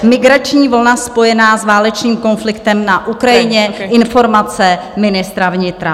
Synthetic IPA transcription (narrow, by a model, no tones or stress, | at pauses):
mɪɡɾat͡ʃɲiːvolnaspo̞jɛnaːzvaːlɛt͡ʃɲiːmko̞nflɪkt̪ɛmnaʔukɾajɪɲɛʔɪnfo̞ɾmat͡sɛ | mɪnɪst̪ɾavɲɪt̪ɾa